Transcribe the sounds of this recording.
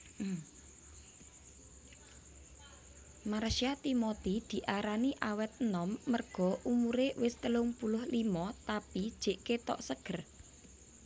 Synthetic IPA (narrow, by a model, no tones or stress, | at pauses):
maɾʃiat̪imot̪id̪̥i̤ʔaɾaniʔawɛt̪̚nɔmːərɡ̥ɔ̤ʔumuɾewɪst̪əlʊŋpulʊhlimɔt̪apid̥ʒ̥e̤ʔket̪ɔ̰ʔsəɡ̥ə̤r